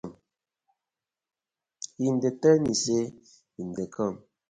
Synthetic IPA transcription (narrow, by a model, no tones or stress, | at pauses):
m | indetɛnise | indekɔm